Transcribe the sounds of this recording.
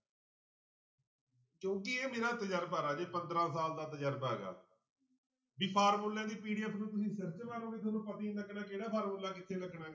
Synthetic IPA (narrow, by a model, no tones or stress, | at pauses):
kjõːkɪeːmeːɾaːt̪əd͡ʒəɾbəːɾaːd͡ʒeːpənd̪ɾãːsaːld̪aːt̪əd͡ʒəɾbɦɛ̰ːɡa̰ː | biːpʰaːɾmoːlãːd̪iːpiːɖiəpʰnũːt̪ʊsĩːsəɾt͡ʃʋaːɾõːɡiːt̪ʰonũːpət̪ĩːnəkʰːnãːkeːɽaːpʰaːɾmoːlːaːkɪt̪ʰːeːləkʰːnãː